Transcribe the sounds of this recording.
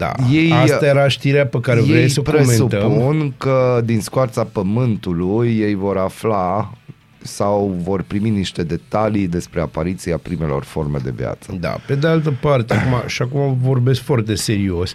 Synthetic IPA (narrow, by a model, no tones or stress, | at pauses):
d̪a̰je̞jast̪ajeɾaʃt̪iɾeapəkaɾevjɾeejjsəpɾeomsenut̪əpmunkəd̪inskoat̪sapəmɨnt̪ulujːe̞jvo̞ɾafla | sawvo̞rpɾiminiʃt̪e̞d̪e̞t̪alid̪e̞spɾe̞apaɾit̪siapɾime̞lo̞̰rfo̞rme̞̰d̪e̞̰vja̰t̪sə̰d̪a̰pe̞d̪ealt̪̬əpart̪eakumaʃiakumavo̞rbe̞skfoart̪e̞se̞ɾio̞sʲ